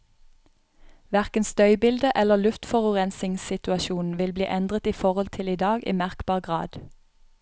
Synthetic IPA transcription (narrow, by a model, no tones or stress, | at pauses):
ʋæʁkənst̪œʏbɪld̪əʔɛləlʉft̪fɔʁɔʁɛnsɪŋsɪt̪ʉɑʃuːn̩ʋɪlbliːʔɛnd̪ʁət̪iːfɔʁɔlt̪ʰɪliːd̪ɑːɡḭːmæʁkbɑːʁɡʁɑ̰ːd̪